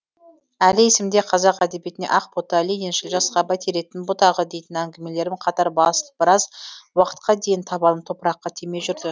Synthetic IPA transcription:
ælɪesɪmd̪e̞qʰɑzɑqæd̪e̞bje̞t̪ɪneʔɑq̚pot̪ɑlijenʃɪlʒɑsqɑbæt̪ʰeɾe̞t̪ɪnbʊt̪ɑʁəd̪e̞jt̪ɪnæŋɡʲɪme̞le̞ɾɪmqʰɑt̪ɑɾbɑsəlˠəb̥ɪɾɑzwɑqə̥t̪̚qɑd̪e̞jɪnt̪ʰɑbɑlˠəpt̪ʰo̞pəɾɑqːɑt̪ʰeme̞ʒʏɾd̪ɪ

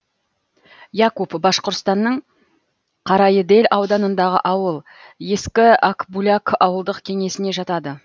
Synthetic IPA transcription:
jɑkupbɑsqoɾt̪st̪ɑnːəɴ | qʰɑɾɑjəd̪e̞lʲʔɑwd̪ɑnənd̪ɑʁə̰ʔɑwəlˠ | je̞skʲɪakbulʲakɑwəlˠd̪əqkʲʰe̞ŋe̞sɪne̞ʒɑt̪ɑd̪ə

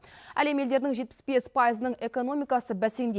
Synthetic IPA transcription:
æle̞me̞ld̪e̞ɾd̪ɪŋʒet̪̚pɪ̥sbe̞spʰɑjəzənəɴe̞ko̞no̞mijkɑsəbæse̞nd̪e

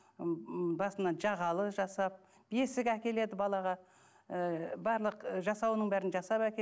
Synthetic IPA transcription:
bɑsənɑʒɑʁɑlˠəʒɑsɑp̚ | bje̞sɪkʲækʲe̞le̞d̪ɪbɑlˠɑʁɑ | əbɑɾlˠəqʒɑsɑwənəɴbæɾɪnʒɑsɑpækʲe

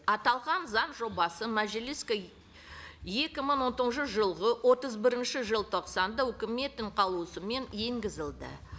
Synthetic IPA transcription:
ɑt̪ɑlˠʁɑnzɑnʒo̞bɑsəmæʒeliska | je̞kʲɪməɴwo̞nt̪əʁnʃəʒəlˠʁəwo̞t̪əzbɪɾɪnʃɪʒəlˠt̪ʰo̞qsɑnd̪ɑwʏkʲɪme̞t̪ɪɴqʰɑlˠuəsəme̞nje̞ŋɡʲɪzɪlˠd̪ə̰

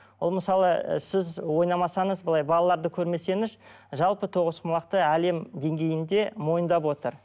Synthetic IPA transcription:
wolˠməsɑlˠə̰sɪzwo̞jnɑmɑsɑɴəzbəlˠɑjbɑlˠɑlˠɑɾd̪əkʲʰɵɾme̞se̞nɪz | ʒɑlˠpət̪ʰo̞ʁəsqmɑlˠɑq̚t̪əæle̞md̪e̞ŋɡʲe̞jɪnd̪e̞mo̞jənd̪ɑp̬wo̞t̪əɾ

